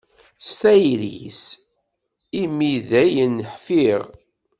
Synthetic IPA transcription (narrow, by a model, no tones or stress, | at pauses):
st̪æjɾis | imiðæjənːħfiʁ